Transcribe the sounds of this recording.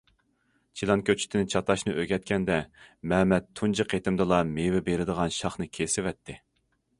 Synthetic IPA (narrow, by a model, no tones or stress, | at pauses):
t͡ʃʰilˠɑnkʲʰøt͡ʃʰi̥t̪ʰɪnɪt͡ʃʰɑt̪ɑʃnɨʔøɡʲɛt̪̚kʲɛnd̪ɛmɛmɛt̪ʰːund͡ʒɨqʰet̪ɪmd̪ɨlˠɑmewɪbeɾɪd̪əʁɑnʃɑχnɨkʲʰesɪvɛt̪ʰːɪ